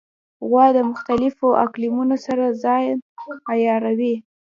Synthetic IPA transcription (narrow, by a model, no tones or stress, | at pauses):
ɣwɑd̪əmʊxt̪alɪfoʔa̰klimunosaɾazɑjajɑɾawi